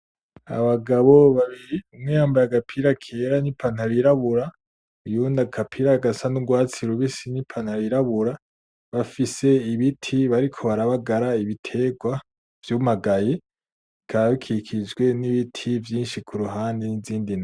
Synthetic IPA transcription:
a̰βaɡaβo̞βaβiɾiumŋehaːmbajaɡapʰiɾakʰeɾanipʰan̥aβiɾaβuɾa | ujundakʰapʰiɾaɡasanuɡwaːt͡siɾuβisinipʰan̥haβiɾaβuɾa | βafise̞iβitʰiβaɾikʰo̞βaɾaβaɡaɾaiβitʰe̞ɡwa | v̥jumaɡaje | kʰaβaβikʰikʰid͡ʒɡwe̞niβitʰivjiːnʃikʰuɾuɦaːndiniziːndin

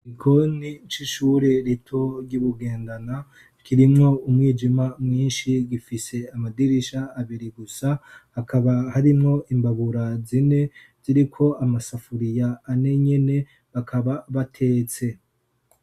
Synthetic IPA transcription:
ikʰo̞nit͡ʃiʃuːɾe̞ɾitʰo̞ɾɟuβuɡe̞ːndana | kʰiɾimŋo̞umŋiːd͡ʒimamŋiːnʃiɡifise̞amadiɾiʃaːβiɾiɡusahakʰaβahaɾimŋo̞ʔimbaβuɾazine̞ | z̥iɾikʰo̞amasafuɾijaːne̞ɲe̞ne̞ | βakʰaβaβatʰe̞ːt͡se̞

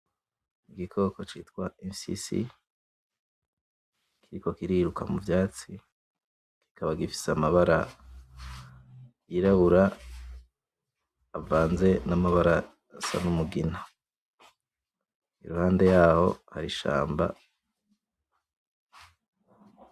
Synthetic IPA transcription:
iɡikʰo̞ːko̞t͡ʃiːtkwaemsḭsḭ | kʰiɾiko̞kiɾiɾukamuvjaːt͡si | ki̥kʰaβaɡifi̥samaβaɾa̰ | jiɾaβuɾa | vaːnze̞namaβaɾa | sa̰numuɡina | ḭɾuhaːnde̞jaːho̞̰ha̰ɾiʃa̰ːmba̰

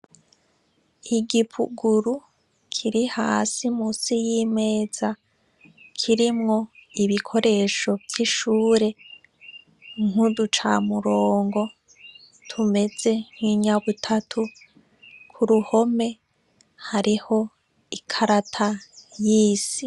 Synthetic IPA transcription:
iɡipʰṵɡuɾu | kʰiɾihaːsimuːsijime̞ːz̥a | kʰiɾimŋo̞iβikʰo̞ɾe̞ʃo̞vjiʃuːɾe̞ | ŋ̥hudut͡ʃa̰ːmuɾo̞ːŋɡo̞ | tʰume̞ze̞ŋ̥hiɲaβutʰatʰu | kʰuɾuho̞me̞ | haɾiho̞ | ikʰaɾatʰajiːsi

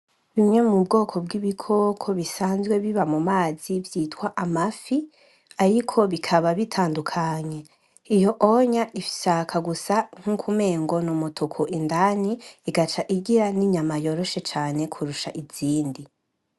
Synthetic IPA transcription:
βimŋe̞mub̚ɡo̞ːkʰo̞bɡiβikʰo̞ːkʰo̞βisaːnzɡwe̞βiβamumaːz̥ivjitwaʔamafi | aɾikʰo̞βikʰaβaβitʰaːndukʰaɲe̞ | ijo̞ʔoɲaʔifi̥ʃakʰaɡusaŋ̥hukʰume̞ːŋɡo̞numotʰukʰoʔindaniiɡat͡ʃaʔiɡiɾaniɲamajo̞ɾo̞ʃe̞t͡ʃaːne̞kʰuɾuʃaʔiz̥iːndi

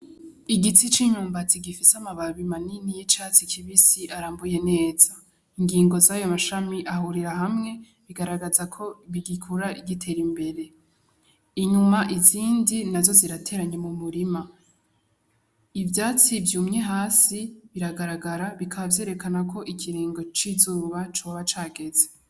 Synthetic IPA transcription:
iɡit͡sit͡ʃiɲuːmbat͡siɡifisamaβaβimaninijit͡ʃaːt͡sikʰiβisiʔaɾaːmbuje̞ne̞ːz̥a | iŋɡiːŋɡo̞zajo̞maʃamiʔahuɾiɾaɦamŋe̞ | βiɡaɾaɡazakʰo̞βiɡikʰuɾaʔiɡitʰe̞ːɾimbe̞ɾe̞ | iɲumaʔiziːndinazo̞ziɾatʰe̞ːɾaɲe̞mumuɾima | ivjaːt͡sivjuːmŋeɦaːsiβiɾaɡaɾaɡaɾaβikʰaβavje̞ːɾe̞kanakʰo̞ʔikʰiɾiːŋɡo̞t͡ʃizuːβat͡ʃo̞ːβat͡ʃaːɡe̞ze

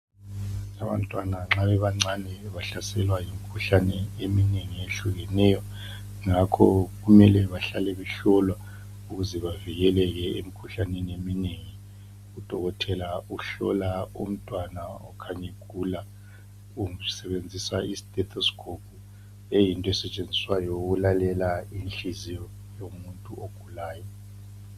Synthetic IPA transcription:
aβa̰ntʼwanaŋ͡ǁaβɛβaŋ͡ǀanɛβaɬasɛlwajimikʰuɬanɛemineŋieɬuɣɛnɛjɔ | ŋakʰɔɣumɛlɛβaɬalɛβɛɬɔlwa | uɣuzɛβaviɣɛlɛɣɛemikʰuɬaneniemineŋi | ud̥ʱɔɣɔtʰɛlauɬɔ̰laṵm̩tʼwanaɔkʰaɲeɡ̥ʱuːla | usɛβend͡zʱisaistʼɛt̪ʰɔskʰʼop̚ʰʼu | ejintʼɔɛsɛt͡ʃʼend͡zʱiswajɔuɣulalɛlainɬizijɔ | jomuntʼuoɡ̥ʱulaːjɔ

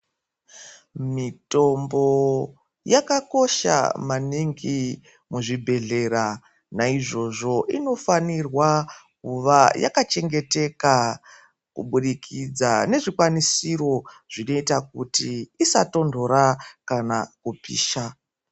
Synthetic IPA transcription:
mito̞mbo̞ | jakako̞ʃa̰maniŋɡi | muʐibʱe̞ɮe̞ɾa | naiʐo̞ʐo̞ʔino̞fanirwakuʋaja̰kat͡ʃe̞ŋɡe̞te̞ka | kṵɓuɗikʰid͡zane̞ʐikwanisiɾo̞ʐ̥ino̞itakutiːsato̞ndʱo̞ɾakanakupḭːʃa

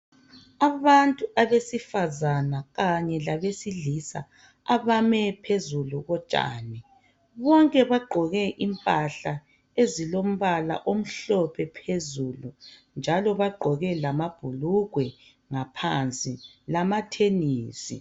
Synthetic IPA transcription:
aβantʼuʔaβesifazanaɣaɲɛlaβesiɮisa̰ | aβamɛpʰezuluɣɔt͡ʃʼa̰ːnɛ | βɔŋkʼɛβaɡ͡ǃʱɔɣɛʔimpʼaɬa | ezilom̩βala̰ʔom̩ɬɔpʰɛpʰezulund͡ʒʱalɔβaɡ͡ǃʱɔɣɛlamab̥ʱuluɣwɛ | ŋapʰant͡sʼi | lamatʰeniːsḭ

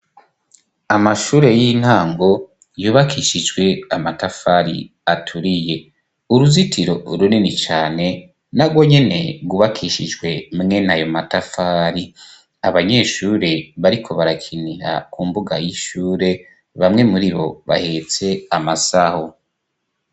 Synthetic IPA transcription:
amaʃuːɾe̞jin̥haːŋɡo̞ | juːβakʰiʃid͡ʒɡwe̞amatafaɾḭ | atʰuɾije̞ | uɾuzitʰiɾo̞ɾuninit͡ʃaːne̞ | naɡwo̞ɲe̞ne̞ɡuβakʰiʃid͡ʒɡwe̞mŋe̞najo̞matafaːɾi | aβaɲe̞ʃuːɾe̞βaɾikʰo̞βaɾakʰiniha̰kuːmbuɡa̰jiʃuːɾe̞ | βamŋe̞muɾiβo̞̰βa̰het͡se̞amasaho

